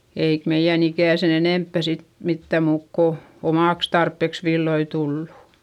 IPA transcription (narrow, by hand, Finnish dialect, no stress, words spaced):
eik meij̆æn ikæˑ sen eneˑmpːæ sit mitːæˑ muːk ko omɑˑks tɑrpːeks ʋilːoi tulːu